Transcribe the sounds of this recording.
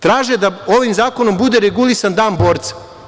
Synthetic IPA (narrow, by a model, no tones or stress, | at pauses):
t̪ɾaːʒed̪ao̞ʋimzaːko̞no̞mbud̪e̞ɾeɡulˠisand̪aːnbo̞ːɾt̪sḁ